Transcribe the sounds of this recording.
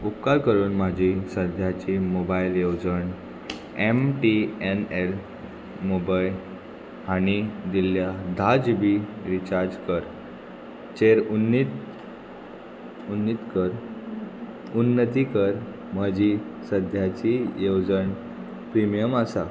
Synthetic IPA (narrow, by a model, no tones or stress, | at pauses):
up̚kalkəɾuːnmad͡ʑʱisəd̪ʱjat͡ɕimobailjowd͡zəɳ | emʈienel | mobajl | aɽ̃id̪iljad̪ʱad͡zbiɾit͡ɕaɾd͡ʑkəɾ | t͡ɕeɾunit̪ | unːit̪kəɾ | unːət̪̬ikəɾ | məd͡ʑʱisəd̪ʱjat͡ɕijewd͡zəɳ | pɾimijəmasa